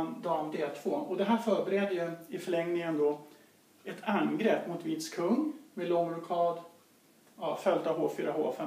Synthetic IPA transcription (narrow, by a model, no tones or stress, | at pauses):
nd̪ɑːmd̪eːlt̪ʰv̥oːɔd̪ɛɦæːɾfœːɾbɛɾɛd̪ːəjɵɪfœɭɛŋnɪŋənd̪ɔ | ɛt̪ʰanɡɾɛpːmʊt̪viːt̪skʰɵŋːmelɔŋːɾʊkʰɑːd̪ | ɑfœld̪avɦoːfyːɾaho̰ːfɛ